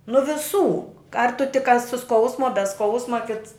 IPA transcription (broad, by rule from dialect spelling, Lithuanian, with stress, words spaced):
nʊ ʋʲɪˈsuː ɐr tʊ tʲɪk ɐ sʊ ˈskɐʊsmʊ ɐ bʲɛ ˈskɐʊsmɐ kʲɪts